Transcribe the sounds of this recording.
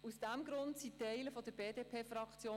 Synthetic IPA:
usd̥æmɡɾʊnt̪sit̪ːɛɪləfɔd̪əɾbeːdeːpʰeːfɾɑkt͡sjoː

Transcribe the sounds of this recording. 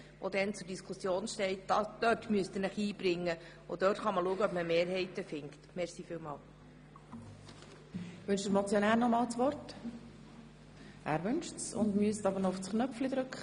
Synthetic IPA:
ʋɔ̰d̪ɛnt͡sʊɾdiskʰʊsjoːnʃtɛɪtd̥ɑd̥œtmyəst̪ənəχiːb̥ɾɪŋːə | ʊd̥œːtχɑməluəɡəœpməmeːɾɦɛɪtəfɪŋkt̪mɛχsiːfɪlmɑːl | ʋʉnʃdəɾmɔt͡sjonæːɾnɔmɑːlt͡sʋɔrt | ʔæːɾʋʏnʃsʊ̰ndmyəstɑbəɾnɔʊfsknœflid̥̪ɾʉkχə

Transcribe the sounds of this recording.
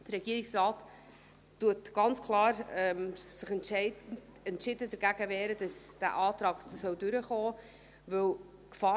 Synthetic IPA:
d̥əɾɛɡ̥iəɾɪksɾɑːtː | uətɡ̥ɑnt͡skʰlɑːɾɛmsɪχɛntɛɪ | ɛntʃɪdədəɾɡ̥æɡ̥əvɛːɾəd̥ɑsd̥æ̰ːʔɑːt̪ɾɑːɡsœwdʉɾəχɔː | vɵw | kfɑː

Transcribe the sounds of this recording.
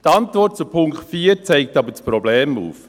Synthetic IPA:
tɑntvɔrt̚t͡supʰʊŋktfiːɾt͡sɛɪk̚tɑbət͡spɾɔbleːmṵːf

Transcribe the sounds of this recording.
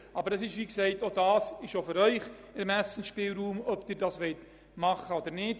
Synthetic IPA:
ɑbəɾəsɪʃviːksɛɪtodɑːsɪʃofyɾœʏχ | ɪmæsən̩ʃpɪlruːmɔpd̥ɪrdɑsvɛjt | mɑχəodərnɪt

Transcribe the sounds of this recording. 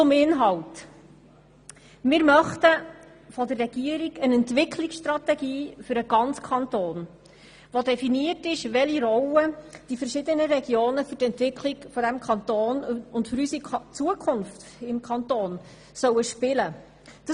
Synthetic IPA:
ʊmɪnɦɑwt | mɪɾmœχtə | fɔd̪ərːɛɡ̥iəɾiɡənɛntvɪkʰlɪksʃt̪rɑtɛɡiːfʏɾəɡ̥ɑnt͡skʰɑntoːn | ʋodɛfiniətɪʃʋɛliɾɔwəd̥ifəɾʃɪd̪ənəɾɛɡjoːnəfɵtɛntʋɪkʰliɡfɔd̥æmkʰɑnt̪oːnʊntfʏɾysit͡suəkʰʊnft | ɪmkʰɑnt̪oːn | sœwəʃpɪlə | d̪̥ɑ

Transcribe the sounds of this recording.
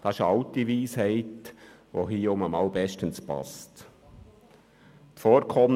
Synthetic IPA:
d̥ɑɪʃəɑʊtiʋiːshɛɪtʋo̰ɦiːoməmɑʊbɛʃtənspɑ̰st | tfoːɾkʰɔm

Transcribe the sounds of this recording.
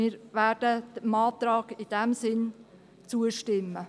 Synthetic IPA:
iːɾvæːd̥əd̥əmɑːt̪ɾɑːɡɪd̥ɛmsɪn | t͡suəʃtɪmːə

